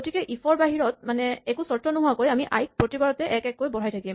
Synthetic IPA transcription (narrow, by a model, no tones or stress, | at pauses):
ɡotikɛʔipʰɔɹbaɦiɹɔt̚manɛɛkusɔɹtɹɔnʊɦʊwakojamiʔajk̚pɹotibaɹɔtɛʔɛkɛkːojbɔɹajtʰakim